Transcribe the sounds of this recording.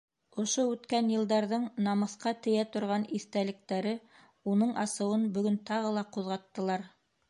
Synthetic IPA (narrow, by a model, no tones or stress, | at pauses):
ŏʃoʉt̪kænjɤ̆lˠd̪ɑɾðɤɴnɑmɤ̆θqɑt̪ɘ̆jæt̪ŏɾʁɑniθt̪ælɘ̆k̚t̪æɾɘ | unɤɴɑsɤ̆wɤnbɵ̆ɡɵnt̪ɑʁɤ̆lˠɑquðʁɑt̪ːɤ̆lˠɑɾ